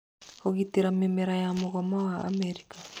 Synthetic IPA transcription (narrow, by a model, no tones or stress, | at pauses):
hoɣitiɾamimɛɾajamuɣɔmawa̰ːmɛɾika